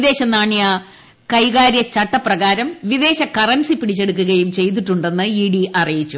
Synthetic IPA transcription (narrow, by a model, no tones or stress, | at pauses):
iðe̞ːɕɐnaːɳja | kɐjɣaːɾjɐt͡ɕɐʈːɐprɐɣaːɾɐmʋiðe̞ːɕɐkɐrɐnsipiɽit͡ɕːe̞ɽuk̬ːuɣɐjumt͡ɕe̞jt̪̬iʈːuɳɖe̞nːɨiɽiɐrijit͡ɕːu